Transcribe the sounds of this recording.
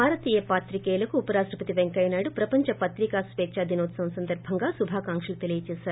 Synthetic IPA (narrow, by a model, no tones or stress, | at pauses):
aːɾɐt̪iːjɐpaːt̪ɾikeːlɐkuːpɐɾaːsɾɐpɐt̪iʋeŋkɐjnaːɽupɾɐpɐɲt͡ʃɐpɐt̪ɾikaːsʋeːt͡ʃaːd̪ʱinoːt̪sɐmsɐnd̪ɐɾbʱɐŋɡaːsubʱaːkaːŋkʂɐlut̪elijɐt͡ʃeːʃaːɾu